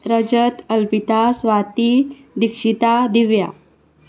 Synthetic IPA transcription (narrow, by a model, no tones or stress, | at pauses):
ɾəd͡ʑət̪əlpit̪asʋat̪i | d̪ikʂit̪ad̪iʋja̰